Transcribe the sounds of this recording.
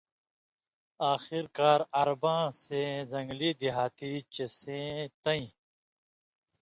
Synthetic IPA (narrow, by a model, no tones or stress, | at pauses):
aːxiɾkaːɾɐɾbãːsezɐ̃ŋɡliːd̪iɦaːt̪it͡ɕɐsẽt̪ɐĩ